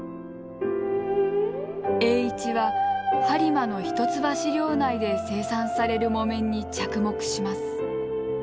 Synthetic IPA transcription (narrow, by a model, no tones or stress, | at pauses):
e̞ːit͡ɕiβasaɾʲimano̞çi̥t̪o̞t͡sɨbaɕiɾʲo̞ːnaid̪e̞se̞ːsãsaɾe̞ɾɯ̟mo̞mẽ̞ɲ̟ːit͡ɕakɯ̟mo̞kɯ̟̥ɕimasɨ̥